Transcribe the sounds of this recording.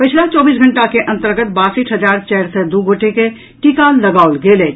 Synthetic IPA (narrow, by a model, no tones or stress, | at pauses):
pət͡ʃʰlat͡ʃɔːbiːsɡʱə̃ɳʈakeʔɐ̃nt̪əɾɡət̪̚baːsiʈʰɦəd͡ʒaːɾt͡ʃɛːɾsɛd̪uɡʱoːʈeke | ʈikalɐɡaːʊlɡeːleː